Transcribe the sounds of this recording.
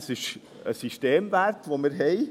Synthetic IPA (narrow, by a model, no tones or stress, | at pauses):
sɪʃ | ə̰siʃteːmvæɾtʋomɪɾɦɛɪ